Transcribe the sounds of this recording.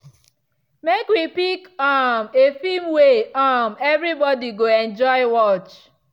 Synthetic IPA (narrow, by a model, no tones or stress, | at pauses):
mekwipikamefimweamɛvɾibɔdiɡoẽnd͡ʒɔɪwɔt͡ʃ